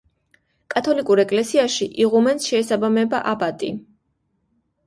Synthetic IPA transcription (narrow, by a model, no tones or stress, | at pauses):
kʼat̪ʰɔlikʼuɾɛkʼlɛsiaʃiʔiʁumɛnsʃɛːsabamɛbaʔabat̪ʼi